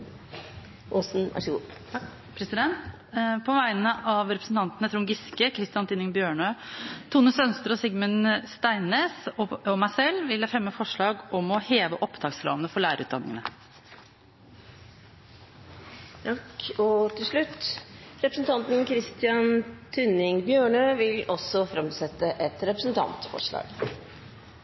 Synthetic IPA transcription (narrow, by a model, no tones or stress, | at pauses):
ʔoːsn̩ʋʔæ̰ʂɡu | pʰɾɛsɪd̪ɛnt̪ | pʰɔʋæɪnəʔɑʋɾɛpɾə̥sn̩t̪ʰɑnt̪ənət̪ʰɾʊŋɡɪskəkʰɾɪst̪ɪɑnt̪ʰiːnɪŋbjøːɳøt̪ʰuːnəsœnst̪əɾɔsɪɡmənst̪æɪnːeːsɔmæɪsɛlːʋɪləfɾɛmːəfɔʂɭɑːɡɔmɔheːʋəʔɔpd̪ʰɑːksɾɑ̰ːʋənəfɔɭæːɾəɾʉ̰ːt̪d̪ɑnɪ̰ŋənə | kɔt̪ʰɪlʂɭʉt̪ːɾɛpɾəsn̩t̪ʰɑnt̪n̩kʰɾɪst̪ɪjɑnt̪ʰʉnɪŋbjøːɳøːʋɪlɔsɔfɾɛmsɛt̪ːəʔɛt̪ɾɛpɾəsn̩t̪ʰɑ̰nt̪fɔ̰ʂɭɑ̰ːɡ